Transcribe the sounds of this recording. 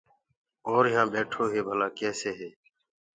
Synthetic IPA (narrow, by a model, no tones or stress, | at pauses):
oːɾɪjãːɓeːʈʰoːɦeːbʱəlaːkeːseːɦeː